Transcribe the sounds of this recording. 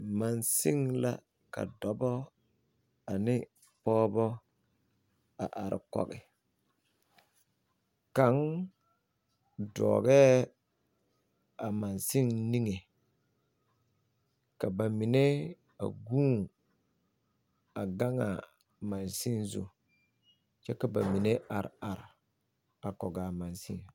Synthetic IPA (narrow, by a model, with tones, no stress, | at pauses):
ma˨nsɪ˦ŋla̰˦ | ka̰˨dɔ˨bɔ˦ | a˨nɪ˦ | pɔː˦bɔ˦ | a̰˨ʔa˨ɾɪ̰˨kɔ̰˦˨ɣɪ˨ | ka˨˦ŋ | dɔ̰ː˨ɡɛː˦ | a˨ma˨nsi˦ŋni˦ŋe˨ | ka˨ba˨mi˨ne˦ | a̰˨ɡuː˦ | a˨ɡa˦ŋa̰˨ | ma˨nsi˦nzṵ˨ | t͡ʃɛ˦ka˨ba˨mi˨ne˦ʔa˨ɾɪ̰˨a˨ɾɪ˨ | a˨kɔ˨ɡa˨ma˨nsḭ˦ŋ